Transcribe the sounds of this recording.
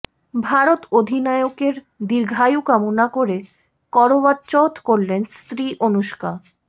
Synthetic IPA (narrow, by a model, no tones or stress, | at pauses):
bʱaɾot̪od̪ʱinaeokeɾ | d̪iɾɡʱajukamonakoɾe | kɔɾobat̪ːt͡ɕɔt̪koɾlenst̪ɾiʔonuʃka